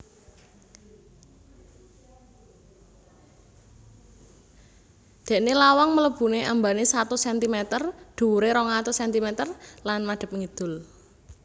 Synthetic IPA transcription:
d̪̥ɛ̤ʔnilawaŋmələb̥ṳneʔambanesat̪usɛnt̪imɛt̪ərd̪̥ṳɾeɾɔŋat̪usɛnt̪imɛt̪ərlanmaɖ̪̥ə̤p̚ŋid̪̥ʊ̤l

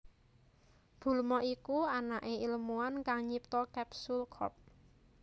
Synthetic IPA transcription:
b̥ṳlmɔʔikuanaʔeiləmuankaŋɲip̚t̪ɔkɛpsulkʰɔ̰p̚

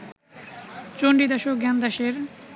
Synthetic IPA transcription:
t͡ɕoɳɖid̪aʃokɡand̪aʃeɾ

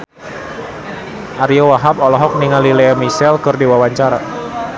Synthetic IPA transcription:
ʔaɾiowaɦapɔlɔɦɔk̚niŋalilɛamisɛlkɨrdiwawaɲt͡ʃaɾa

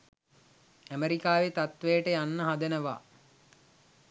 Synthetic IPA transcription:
æmeɾikaːʋet̪at̪ʋejəʈəjanːəɦad̪ənəʋa̰ː

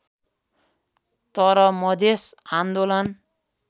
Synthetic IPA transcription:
t̪ʌɾʌmʌd̪ʱesand̪olʌn

